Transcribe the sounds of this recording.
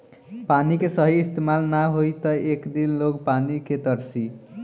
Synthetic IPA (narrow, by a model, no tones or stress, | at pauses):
panikesʌɦiist̪emalnaɦojt̪ʌekd̪illokpanikʰet̪ʌɾsi